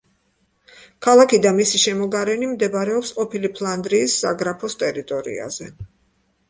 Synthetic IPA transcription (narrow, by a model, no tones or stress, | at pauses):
kʰalˠakʰid̪amisiʃɛmɔɡaɾɛnimd̪ɛbɾɛɔpsqʼɔpʰilipʰlˠand̪ɾiːsːaɡɾapʰɔst̪ʼɛɾit̪ʼɔɾḭa̰z̥ɛ